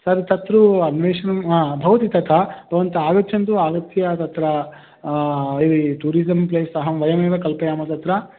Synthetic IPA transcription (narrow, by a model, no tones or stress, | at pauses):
sɐɾt̪ɐt̪ɾuɐnʋeːʂɐnɐmbʱɐʋɐt̪it̪ɐt̪ʰɐbʱɐʋɐnt̪ɐaːɡɐt͡ʃɐnt̪uaːɡɐt̪ijɐt̪ɐt̪ɾɐ | ɾiʈuːɾizɐmpleːsɐɦɐmʋɐjɐmeːʋɐkɐlpɐjaːmɐt̪ɐt̪ɾɐ